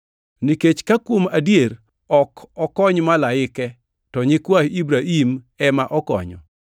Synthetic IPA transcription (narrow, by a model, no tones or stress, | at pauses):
niket͡ʃkakwomadjeɾ | ɔkɔkɔɲmalaɪkɛ | tɔɲɪkwahibɾaim | ɛmaʔɔkɔ̰ɲɔ̰